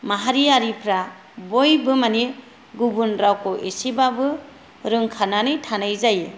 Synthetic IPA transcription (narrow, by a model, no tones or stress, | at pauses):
maɦaɾiaɾipʰɾa | bojbɯmani | ɡubunɾawkɔʔesibabɯ | ɾɯŋkʰananɯjtʰanajzaje